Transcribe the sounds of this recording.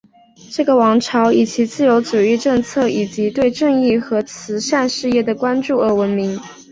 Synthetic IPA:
ʈ͡ʂɤ˥˩ɡə˩wɑ˧˥ŋʈ͡ʂʰɑ˧˥ʊi˨˩t͡ɕi˧˥t͡sɹ̩˥˩jo˧˥ʊt͡su˨˩i˥˧ʈ͡ʂɤ˥˧ŋt͡sʰɤ˥˩i˨˩t͡ɕi˧˥t̪we˥˧ɪʈ͡ʂɤ˥˧ŋi˥˩xɤ˧˥t͡sʰɹ̩˧˥ʂa˥˧nʂɻ̩˥˧jɛ˥˩d̪ə˩kwa˥nʈ͡ʂu˥˩ə˞˧˥wə˧˥nmi˧˥ŋ

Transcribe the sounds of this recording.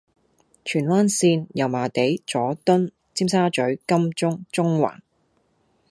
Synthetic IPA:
t͡ʃʰyː˨˩nwaː˥nsiː˧njɐ˨˩wmaː˨t̪e˨˥jt͡sɔː˨˥t̪ʊ˥n | t͡siː˥msaː˥t͡ʃɵ˨˥ɥkɐ˥mt͡ʃʊ˥ŋt͡sʊ˥ŋwa̰ː˨˩n

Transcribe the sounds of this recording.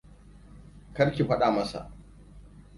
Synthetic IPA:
kɐ˦ɾkʲi˨ɸɐ˦ɗaː˨mɐ˦sa̰˨ʔ

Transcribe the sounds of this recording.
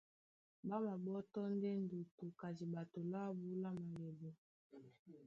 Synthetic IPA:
ba˦ma˨bɔ˦tɔ˦n˦de˦n˨du˨tu˨ka˨zi˨ba˨to˨la˦bu˦la˦ma˨le˨bɔ˨

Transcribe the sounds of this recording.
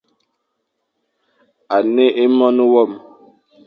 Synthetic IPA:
a˨ne˦ʔe˦mɔ˦nu˦wɔ˦˨m

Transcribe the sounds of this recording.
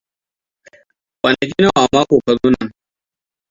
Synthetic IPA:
kʷɐ˨nɐ˨kʲi˦na˦˨ʔa˨mːaː˦kʷoː˨kɐ˨zuː˦na˨ŋ

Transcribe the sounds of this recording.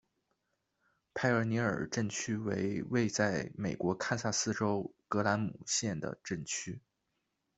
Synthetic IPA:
pʰa˥ɪə˞˧˥ni˧˥ə̰˞˨˩ʈ͡ʂə˥˩ŋt͡ɕʰy˥wḛ˧˥ɪwe˥˧ɪt͡sa˥˩ɪme˨˩ɪkwɔ˧˥kʰa˥˧sa˥˩sɹ̩˥ʈ͡ʂo˥ʊkɤ˧˥la˧˥nmṵ˨˩ɕjɛ˥˩nd̪ə̰˩ʈ͡ʂə˥˩ŋt͡ɕʰy˥

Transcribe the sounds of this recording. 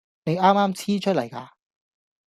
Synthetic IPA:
ne˨˧jaː˥mːaː˥mt͡sʰiː˥t͡ʃʰɵ˥t̚lɐ˨˩jkaː˧

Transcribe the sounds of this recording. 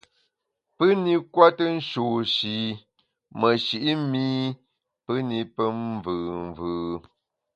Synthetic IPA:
pə˦ni˦kwa˦tə˦n̩˦ʃoː˨ʃi˨ | mə˨ʃi˨ʔi˦miː˦ | pə˦ni˦pə˦vɯː˨mvɯː˨

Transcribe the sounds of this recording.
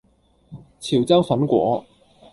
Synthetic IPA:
t͡sʰiː˨˩wt͡sɐ˥wfɐ˨˥nkʷɔ̰ː˨˥

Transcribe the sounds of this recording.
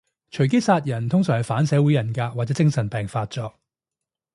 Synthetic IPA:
t͡ʃʰɵ˨˩ɥk̬e˥jsaː˧t̚jɐ˨˩nt̪ʰʊ˥ŋsœː˨ŋhɐ˨jfaː˨˥nsɛː˨˥wuː˨˥jɐ˨˩nkaː˧k̚waː˨t̚t͡sɛː˨˥t͡sɪ˥ŋsɐ˨˩npɛː˨ŋfaː˧t̚t͡sɔː˧k̚

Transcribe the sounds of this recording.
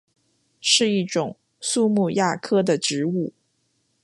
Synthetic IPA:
ʂɻ̩˥˧i˥˩ʈ͡ʂʊ˨˩ŋ | su˥˧mu˥˧ja˥˩kʰɤ˥d̪ə˨ʈ͡ʂɻ̩˧˥u˥˩

